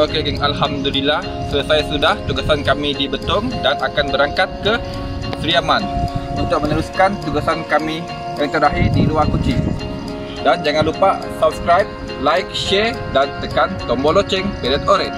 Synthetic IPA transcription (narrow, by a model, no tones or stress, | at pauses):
okeɡaŋalɦamdulilah | sujasajasudaht̪uɡasankamidibət̪ʊŋdanakanbəɾaŋkat̪̚kə | sɾiamanunt̪ʊk̚mənəɾuskant̪uɡasankami | jaŋt̪ərdaɦirdiluarkut͡ʃi | dand͡ʒaŋanlupaʔsap̚skɾajp̚ | lajk̚ʃɛr | dant̪əkant̪ombolot͡ʃɛŋpelət̪oɾɛt̪